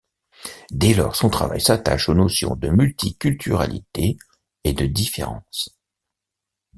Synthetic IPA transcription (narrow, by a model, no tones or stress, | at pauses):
d̪ɛlɔʁsɔ̃t̪χa̰va̰jsat̪a̰ʃonosjɔ̰̃d̪əmylt̪ʰikʲylt̪ʰyʁa̰lḭt̪e | ed̪əd̪ifḛʁɑ̃s